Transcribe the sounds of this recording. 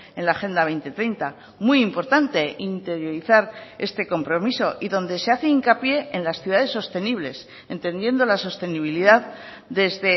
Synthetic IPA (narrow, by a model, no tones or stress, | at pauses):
e̞nlaːxe̞nd̪aβe̞jnt̪e̞t̪ɾejnt̪a | muimpo̞ɾt̪ant̪e̞int̪e̞ɾjo̞ɾiθaɾe̞st̪e̞ko̞mpɾo̞miso̞ʔiðo̞nd̪e̞se̞aθe̞iŋkapje̞enlasθjuðaðe̞sːo̞st̪e̞niβ̞le̞s | e̞nt̪ẽ̞nd̪je̞nd̪o̞laso̞st̪e̞niβ̞iliðað | d̪e̞zðe̞